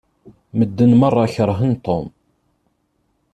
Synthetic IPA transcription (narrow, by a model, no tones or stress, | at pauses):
məd̪ːənmɑrˤːɑçəɾˤɦənt̪om